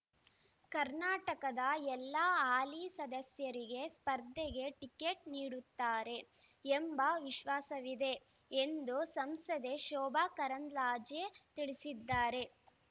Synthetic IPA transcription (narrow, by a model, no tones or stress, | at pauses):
kɐɾnaːʈɐkɐd̪ɐɛlːaaːlisɐd̪ɐsjɐɾiɡe̞spɐɾd̪ʱːɛɡe̞ʈikeʈ̚niːɽut̪ːaːɾe̞ | embɐʋiʃʋaːsɐʋid̪e̞ːnd̪usɐmsɐd̪eʃɔːbaːkɐɾɐnd̪ɾaːd͡ʒjet̪iɭisid̪ːaːɾe̞